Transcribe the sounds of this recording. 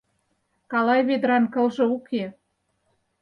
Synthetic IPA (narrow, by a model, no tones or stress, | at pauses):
kɑlɑjβed̪ɾɑnkɤ̆lʒɤ̆ukʰe